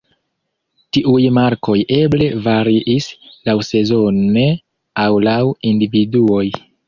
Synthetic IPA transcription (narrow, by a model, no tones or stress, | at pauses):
tiʔujmaɾko̞je̞ble̞vaɾiʔislawse̞zo̞ne | awlawindividuo̞j